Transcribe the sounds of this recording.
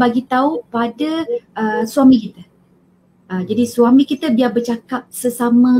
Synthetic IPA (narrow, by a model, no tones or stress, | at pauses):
baɡit̪aupadaəsuamĩkit̪ə | əd͡ʒadisuamĩkit̪əbiabərt͡ʃakap̚səsamə̃